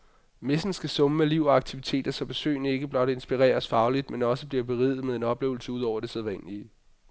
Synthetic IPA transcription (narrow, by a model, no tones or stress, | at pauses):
me̝sn̩sɡ̥æsɔ̽məmeliʊ̰ɒɑ̈ɡ̥̚t͡sʰiʋit͡sʰe̝̰ːd̥ɐsɒ̽b̥esø̰ːnie̝ɡ̥əb̥lɒ̽ɾ̥æe̝nsb̥iʁɛ̰ːɐsfɑ̈ʊlid̥menɒ̽səb̥liɐb̥e̝ʁið̩ˠmeðˠe̝nɒ̽b̥le̝̰ʊl̩səuðˠɒʊ̰ɐd̥e̝seð̞ˠʋæn̰liː